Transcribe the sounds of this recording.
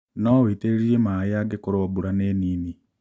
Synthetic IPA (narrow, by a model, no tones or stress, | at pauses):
nɔweːteɾeɾiɾemaeaɡekoɾwabuɾaneːniːni